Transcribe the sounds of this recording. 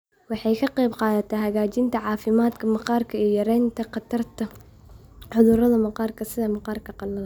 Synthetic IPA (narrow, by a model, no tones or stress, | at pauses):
wɑħɑjkʰɐqɛjbqɑːðɐt̪ʰɐɦɐɣaːt͡ʃɪnt̪ʰɐʕɑːfɪmaːd̪kʰɐmɑqɑːrkʰɐijɐɾɛjnt̪ʰɐqɑt̪ʰɐrt̪ʰɐ | ħʊðʊɾɐðɐmɐqɑːrkʰɐsɪðɐmɑqɑːrkʰɐqɑnɐl